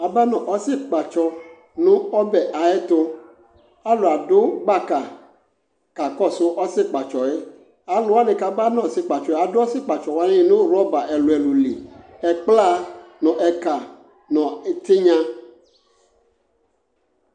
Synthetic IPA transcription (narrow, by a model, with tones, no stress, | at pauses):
a˨ba˦nɔ̃˨ʔɔ˨˦si˦k͡pa˨t͡ʃɔ˦ | nũ˦ɔ˦bɛ˨ʔa˨ɛ˦t̪o˦ | a˦lo˨a˨do˦ɡ͡ba˦ka˨ | ka˨kɔ˦˨so˦ʔɔ˦sɪ˦k͡pa˨t͡ʃɔ˨e˦ | a˨lo˦a˦nẽ˨ka˨ba˦nɔ̃˦˨si˦k͡pa˨t͡ʃɔ˨e˦a˨do˦ɔ˦si˦k͡pa˨t͡ʃɔ˨wa˦nẽ˦˨nũ˦ɾɔ˦ba˨ʔɛ˨lo˨ɛ˨lu˨lḭ˨ɛ˨k͡pla˦nɔ̃˨ʔɛ˨ka˨ | nɔ̃˨e˨t̪e˦ɲã˦